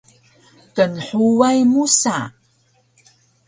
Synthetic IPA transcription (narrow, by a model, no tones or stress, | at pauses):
kənħuwajmusa